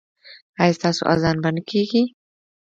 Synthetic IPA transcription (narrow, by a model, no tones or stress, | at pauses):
ɑjast̪ɑso̰ʔa̰zɑnbanəkʰeɡi